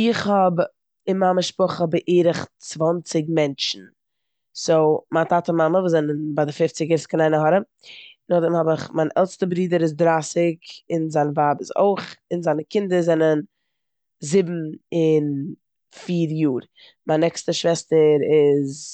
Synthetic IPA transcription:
ɪχhɔb | ɪnmaməʃpʊχəbɪʔeːɾəχt͡svɔnt͡sɪɡmɛnt͡ʃn̩ | soʊmaːtaːtəmaməvuːzɛnənbadɪfɪft͡sɪɡɛɾskɪnaɪnəɦɔɾəm | nɔdəmhɔbɪχmaɪnʔɛ̰lˠstəbɾiːdəɾɪzdɾaːsɪkɪnzaɪnvaːbəso̰ɪχɪnzaɪnəkɪndəzɛnən | zɪbm̩ɪn | fiːɾjuːɾ | manɛkstəʃvɛstəɾɪz

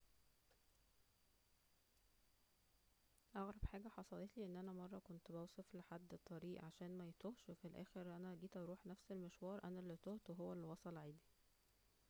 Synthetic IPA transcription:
ʔɑɣɾˤɑbħaːɡæħɑsˤɑlet̪liːʔenːʔænæmɑrˤːɑkont̪bæwsˤefleħad̪ːt̪ˤːɑɾiːʔʕaʃæːnmæjt̪ohʃwefilʔæ̰ːxeɾʔænæɡiːt̪ʔɑɾˤuːħnæfselmeʃwɑːɾˤʔænælːit̪oht̪weɦowːælːiwɑsˤɑlʕiːd̪i

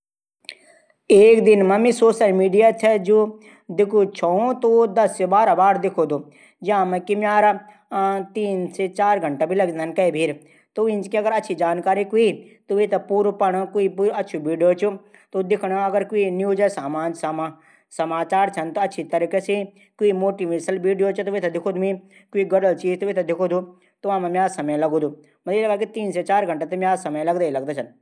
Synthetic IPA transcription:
eːkd̪ɪnmɐ̃mĩsoːʃəlmiːɖijat͡ʃʰɛd͡ʒo | d̪ɪkʰut͡ʃʰoõt̪od̪ɐsːebaːɾabaːɾd̪ɪkʰod̪oː | d͡ʒaãmẽkimaːɾa | t̪iːnset͡ʃaːɾɡʱɐɳʈabʱilɐɡd͡ʒnankɐibʱiɾ | t̪oĩnt͡ʃkiɐɡəɾɐtːʃʰid͡ʒaːnkaːɾikuit̪oʋit̪ɐpuːɾopɐɽ̃kuipuːɾɐtːʃʰuʋiːɖijot͡ʃʰu | t̪ud̪ɪkʰɽ̃aɐɡəɾkuinjuːd͡ʒɐsaːmãːnd͡ʒsɐma | sɐmaːt͡ʃaːɾt͡ʃʰɐnt̪oɐtːʃʰit̪ɐɾikese | kuimoːʈiʋiɾsɐlʋiːɖijot͡ʃʰut̪uʋet̪ɐd̪ɪkʰod̪mĩ | kuiɡɐɽəlt͡ʃiːd͡ʒt̪uʋit̪ɐd̪ɪkʰod̪u | t̪uʋãːmɐ̃mjaːzsɐməj̃lɐɡud̪u | mɐelɐɡakit̪iːnset͡ʃaːɾɡʱɐɳʈat̪ɐmjaːsɐmjẽlɐɡd̪ailɐɡd̪at͡ʃʰɐn

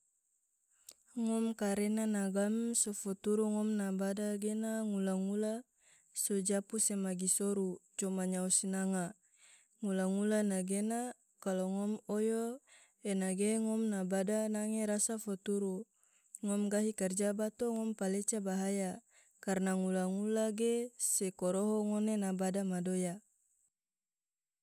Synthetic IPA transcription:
ŋɔmkaɾenanaɡamsɔfɔt̪uɾuŋɔmnabadaɡenaŋulaŋula | sɔd͡ʒapusemaɡisɔɾut͡ʃɔmaɲausinaŋa | ŋulaŋulanaɡena | kalɔŋɔmɔjo | enaɡeŋɔmnabadanaŋeɾasafɔt̪uɾu | ŋɔmɡaɦikard͡ʒabat̪oŋɔmpalet͡ʃabaɦaja | karnaŋulaŋulaɡesekɔɾoɦɔŋonenabadamadoja

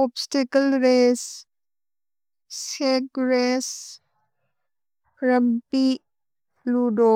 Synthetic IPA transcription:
ɔːbsʈekəlɾes | sekɾes | ɾəmpi | luɖo

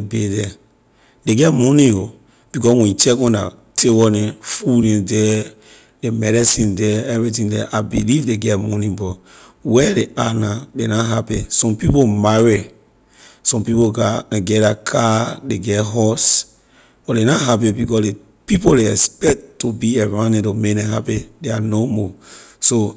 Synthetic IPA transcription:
bedɛ | deɡɛtmɔnĩo | b̥ikɔswɛ̃t͡ʃɛkwɛ̃na̰ | tʰewɔnɛ̃fudɛ̃ndɛ | demɛɾɛsĩndɛɛvɹitĩndɛ̰ʔabilivdeɡɛtmɔ̃nĩbɔ | wɛdeanadenaɦapɛ̃sɔ̃mpipomaɹi | sɔ̃mpipoɡaãɡɛdakʰadeɡɛtɦɔs | b̥ɔdenaɦapibikɔsde | pipoleɛspɛk̚tːubiɛvãnɛ̃tomeknɛ̃ɦapideanomɔso

